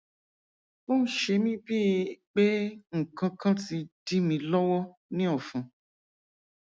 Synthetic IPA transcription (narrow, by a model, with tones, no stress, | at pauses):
bo˦n̩˦ʃe˧mĩ˦bi˦˧k͡pe˦ŋ̩˨kã˧kã˦ti˧di˦mĩ˧lɔ˦wɔ˦ | nĩ˦ɔ˦˨fũ˨˧